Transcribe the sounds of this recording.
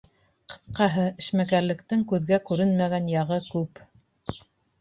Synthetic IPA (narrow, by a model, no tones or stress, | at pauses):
qɤ̥̆θqɑɦɤɘ̆ʃmækæɾlɘ̆kt̪ɘŋkʉðɡækʉɾɘnmæɣænjɑʁɤkʉp